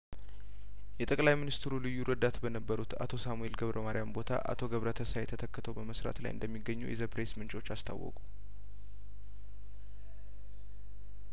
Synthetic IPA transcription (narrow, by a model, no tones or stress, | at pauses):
jɛt̪ʼəkʼlajminist̪ɨɾulɨjːuɾəd̪at̪bənəbːəɾut̪a̰t̪ʰo̞samue̞lɡəβɾʔəmaɾijambo̞t̪ʰa̰ʔa̰t̪ʰo̞ɡəβɾət̪ʰəsajɛt̪ʰət̪ʰəkːət̪ʰəwbəməsɾa̰t̪la̰jʔɨ̰nd̪əmːiɡːəɲːṵjɛ̰zəpɾesmɨnt͡ʃʼo̞t͡ʃːast̪ʰa̰wɔ̰kʼu